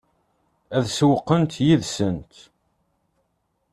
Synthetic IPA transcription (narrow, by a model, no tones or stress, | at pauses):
æðswəqːənt̪jiðsənt̪